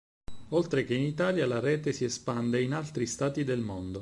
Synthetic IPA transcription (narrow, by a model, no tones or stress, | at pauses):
olt̪ɾek̟einit̪aːljalaɾɛːt̪esiespand̪einalt̪ɾist̪aːt̪id̪elmond̪o